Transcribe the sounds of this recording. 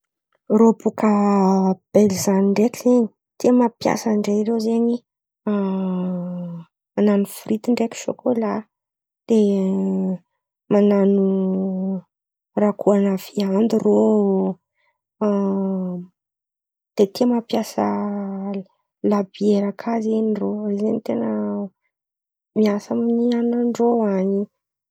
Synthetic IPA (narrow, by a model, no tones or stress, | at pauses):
robukə | b̥elizaniɳɖ͡ʐekizeɲi̥ | t̪iəmapja̰səɳɖ͡ʐejɾewzeɲi | mananufɾit̪iɳɖ͡ʐeki̥ʃo̰kola | d̪̥e | mananu | rakʰuanəv̥iand̪iro | d̪̥et̪ʰimapjasə | labieɾakʰazeniroizenit̪enə | miasəmnianaɳɖ͡ʐoaɲi